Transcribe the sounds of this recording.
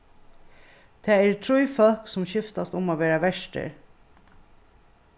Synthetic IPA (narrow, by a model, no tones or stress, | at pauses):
t̪ʰɛːɛɹt̪ʰɾujfœlksʊmɕɪft̪ast̪ʊmaːʋeːɾaʋɛʂʈə̰ɾ